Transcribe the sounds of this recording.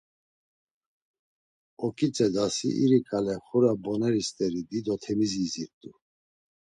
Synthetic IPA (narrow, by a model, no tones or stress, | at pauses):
ɔkʼit͡sʼɛd̪asḭʔḭɾikʼalɛχuɾabɔnɛɾist̪ʼɛɾid̪id̪ɔt̪ʰɛmiziziɾt̪ʼu